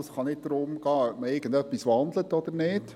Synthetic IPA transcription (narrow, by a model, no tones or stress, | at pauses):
sχɑnɪt̚d̥̪ɾʊmɡɑːœpməɪɡəndœpːisʋɑnd̪lətɔd̪əɾnɪːd̥